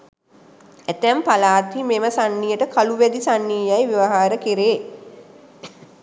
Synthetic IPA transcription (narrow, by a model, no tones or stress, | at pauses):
æt̪æmpalaːt̪imeməsanːijəʈəkʰaluʋæd̪isanːijajʋiʋaɦaːɾəkiɾeː